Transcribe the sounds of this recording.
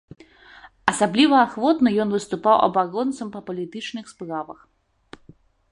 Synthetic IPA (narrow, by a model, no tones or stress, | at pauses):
ɐsablʲivɐaxvɔt̪nɐjɔnvɨst̪upawʔɐ̰baɾɔnt̪sɐmpɐpɐlʲit̪ɨt͡ʂnɨxspɾavɐx